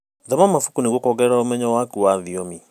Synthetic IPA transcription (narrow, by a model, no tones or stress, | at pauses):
ðɛmamafu̥kuneɣwokɔɣɛɾaomɛɲɔwakuwaðiomi